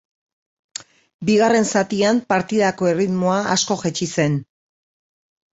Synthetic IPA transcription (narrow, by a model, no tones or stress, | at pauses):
biɣare̞nsat̪iampaɾt̪iðako̞e̞rit̪moaʔasko̞ʝet͡ʃise̞n